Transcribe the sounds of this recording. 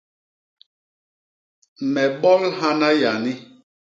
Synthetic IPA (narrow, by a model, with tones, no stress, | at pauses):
mɛ˨ɓɔ˦lɦa˦na˦ja˨ni˦